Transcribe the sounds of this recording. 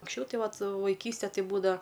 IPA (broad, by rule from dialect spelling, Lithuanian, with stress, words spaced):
ɐŋksʲˈt͡ʃʲɛʊ ˈtɐɪ ˈʋɐt ʋɐɪˈkʲiːsʲtʲɛ ˈtɐɪ ˈbuːdɐʋɐ